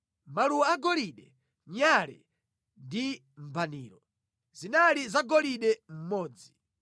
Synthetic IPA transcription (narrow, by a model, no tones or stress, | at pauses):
maluwaaɡɔliɗɛ | ɲaɾɛ | ndi | m̩bʱaniːɾɔ | zinalizaɡɔliɗɛm̩mɔːd͡zi